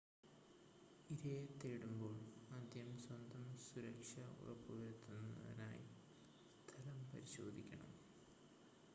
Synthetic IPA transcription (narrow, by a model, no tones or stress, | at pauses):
iɾejt̪ːeːɽumbo̞ːɭɐd̪ʱjɐmswɐnd̪ʱɐmsuɾɐkʂɐṵrɐ̰pːuʋɐɾt̪ːunːɐ̰ðḭna̰ːji | st̪ʰɐlɐmpɐɾiɕo̞ːd̪ʱikʲːɐɳɐ̰m